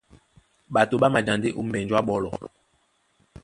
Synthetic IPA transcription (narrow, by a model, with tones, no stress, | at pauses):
ɓa˨to˨ɓa˦ma˨d͡ʒa˨nde˦ʔu˦m̩˨bɛ˨nd͡ʒwa˦ɓɔ˦lɔ˨